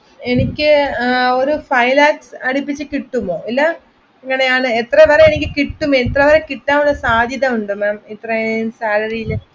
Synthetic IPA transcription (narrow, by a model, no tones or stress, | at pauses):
e̞nikʲːɨo̞ɾufɐjlaːksɐɽipːit͡ɕːɨkiʈːumo̞ːilːɐ | iŋːɐɳe̞jaːɳɨet̪rɐʋɐɾeenikʲːɨkiʈːumet̪rɐʋɐɾekiʈːaːmuɭːɐsaːd̪ʱjɐðɐmuɳɖɨmaːmit̪ːrɐsaːlɐɾijil